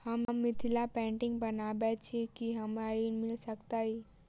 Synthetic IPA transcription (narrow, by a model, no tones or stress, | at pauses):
həmmːit̪ʰilapɛ̃ɳʈĩŋɡbənabɛt͡ʃʰikiɦəmaɾimilsəkt̪ai